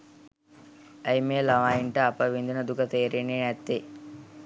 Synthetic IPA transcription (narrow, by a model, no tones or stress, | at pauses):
əjmeːlɐʋaːjiɳʈəɐpəʋind̪unəd̪ukət̪eːɾinːenæt̪ːi